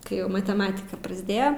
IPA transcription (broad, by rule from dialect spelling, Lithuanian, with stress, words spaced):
kɐɪ ˈjɛʊ mɐtʲɛˈmɑːtʲɪkɐ prɐzʲˈdʲeːjoː